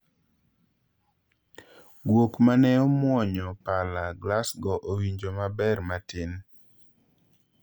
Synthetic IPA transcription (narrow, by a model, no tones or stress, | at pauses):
ɡwokmanɛɔmwɔɲɔpalaɡlasɡɔʔowiɲd͡ʒomabɛrmatɪn